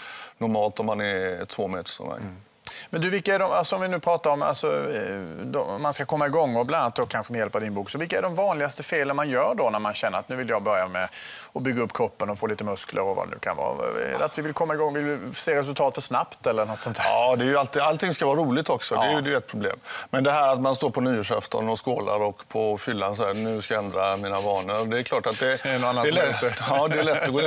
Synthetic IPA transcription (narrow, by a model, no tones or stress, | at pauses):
nɔɾmɑːlt̪ɔmhanɛɾt̪ʰvoːmḛːt̪ə̥ʂɔ̰mɛ̰j | mɛnd̪ɵvɪlkːaæɖɔmalsɔɔmvɪnʉ̟ːpʰɾɑːt̪aɾɔma̰lsɔ | d̪ɔmanskakʰɔmːaɪɡɔŋːɔblananːat̪d̪ɔkʰːanɧəmɛjɛlpad̪ɪnbuːksɔvɪlkːaæɖɔmvɑːnlɪɡast̪əfeːlənmanjœːɖɔnæɾmanɕɛnːəɾat̪nʉ̟ːvɪljɑːɡbœɾjamɛ | ɔbʏɡːaɵpːkʰɾɔpːənɔfoːliːt̪əmɵsklə̰ɾɔva̰d̪ɛ̰nʉ̟̰ːkʰa̰nvɑ̰ːɛ̰dat̪vɪvɪlkʰɔmːaɪɡɔŋːvɪlɪseːɾɛs̬ɵlt̪ʰɑːt̪fœʂnapt̪ɛlːənɔt̪sɔnt̪ʰhæɑːd̪ɛːɾjɵalt̪ɪːalt̪ʰɪŋskavɑːɾuːlɪɡt̪ɔksɔd̪ɛːjd̪ɛjɛt̪pʰɾʊblḛːmmɛnd̪ɛɦæːɾat̪manst̪oːɾpʰɔnyːəʂɛft̪ʰə̰nɔskoːla̰ɾɔkːpʰɔfʏlːansɔænʉ̟ːskajaɛnd̪ɾamiːnavɑːnəɾd̪ɛːɾkʰlɑːʈat̪̚d̪ɛnɔanːaɛlɛɑːd̪ɛlɛt̪ːɛɡoː